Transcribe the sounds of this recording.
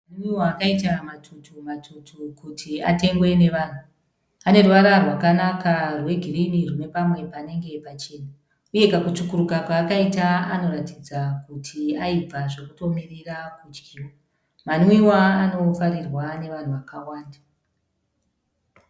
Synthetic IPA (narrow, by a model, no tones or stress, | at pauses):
maniwiwaːkaitamatʰutʰumatʰutʰukutʰia̰te̞ŋɡwe̞ne̞ʋan̤u | ane̞rwaɾarwakanakarwe̞ɡʱirinirune̞pamwe̞pane̞ŋɡe̞pat͡ʃe̞ːna | uje̞kakut͡ʃukuɾukakaːkaitaano̞ɾatid͡zakutʰiaipaʐe̞kuto̞mirirakud͡ʒɡiːwa | maniwiwaːno̞faɾirwane̞ʋan̤uʋakawaːnda